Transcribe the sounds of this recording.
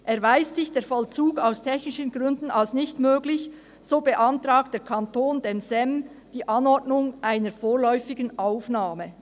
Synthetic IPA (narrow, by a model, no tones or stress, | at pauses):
ʔɛɐvaɪstsɪçd̥eːɐfɔlt͡suːɡaʊstʰɛçnɪʃənɡʁʏndn̩alsnɪçtmøːɡlɪç | z̥oːbəʔɑntʁaːk̚t̚d̥eːɹkʰantoːndemsɛmd̥iːʔɑnɔɹdnʊŋʔaɪnəɾfoːʁlɔʏfɪɡənʔaʊfnaːmə